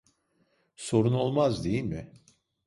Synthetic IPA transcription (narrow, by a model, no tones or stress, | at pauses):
so̞ɾuno̞lˠmazd̪ejilʲmɪ